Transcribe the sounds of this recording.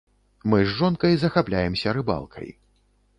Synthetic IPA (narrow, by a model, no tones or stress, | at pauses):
mɨzːɔnkɐjzɐxaplʲajɛmsʲɐɾɨba̰lˠkʰɐ̰j